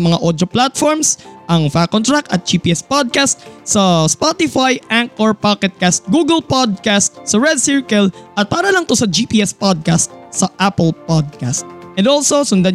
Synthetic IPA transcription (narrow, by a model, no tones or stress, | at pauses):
mɐŋaʔod̪oplat̪fɔɹmsʔɐŋfakːɔnt̪ɹakɐ̰t̪̚d͡ʒiːpiʔɛspod̪̚kast̪̚sɐspot̪ɪfajʔaŋkʔɔɹpakɛt̪̚kast̪̚ɡuɡɛlpad̪̚kast̪̚sɐɹɛd̪̚siɹkɐlʔɐt̪̚paːɾɐlɐŋt̪osɐd͡ʒiːpiːʔɛspod̪̚kast̪̚sɐʔapɛlpod̪̚kast̪̚ʔɛnd̪olsosʊnd̪a